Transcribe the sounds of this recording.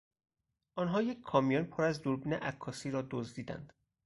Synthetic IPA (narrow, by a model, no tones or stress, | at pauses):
ɒːnɦɒːjecʰkʰɒːmijɔnpʰoːɾæzd̪uɾbiːnḛʔækʰːɒːsiːɾɒːd̪ozd̪iːd̪æ̰nd̪̥